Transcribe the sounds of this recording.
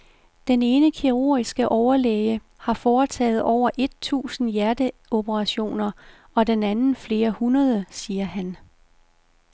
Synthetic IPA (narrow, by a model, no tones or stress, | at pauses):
d̥ene̝ːnəkʰiʁo̝̰ːɐisɡ̥əʔɒʊɐleːjə | hɑ̈fɒːt͡sʰɛ̰ːð̞̩ˠʔɒʊ̰ɐʔe̝d̥̚t͡sʰṵːsn̩jæɐd̥əo̝bəʁɑ̈ɕo̝̰ːnɐ | ɒ̽denænn̩fle̝ːɐhunɐðˠəsiːɐhæn